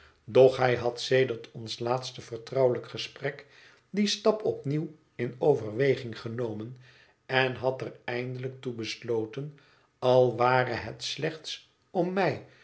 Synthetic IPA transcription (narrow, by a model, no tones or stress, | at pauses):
dɔχɦɛjɦɑtsejdəɹtʰɔnslaːtstəvəɹtrɑwələkχəsprɛk | distɑpɔpniw | ɪnowvəɹʋejχɪŋχənowmən | ɛnɦɑtərɛjndələk̚tubəslowtən | ɑlˠʋaːrəɦətslɛχts | ɔmːɛj